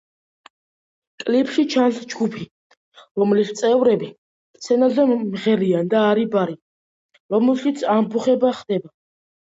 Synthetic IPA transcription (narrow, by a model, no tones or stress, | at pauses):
kʼlipʰʃit͡ʃʰansd͡ʒɡupʰi | ɾɔmlist̪sʼɛvɾɛbi | kt̪sʰɛnazɛmʁɛɾiand̪aːɾibaɾi | ɾɔmɛlʃit̪sʰambuχɛbaχd̪ɛba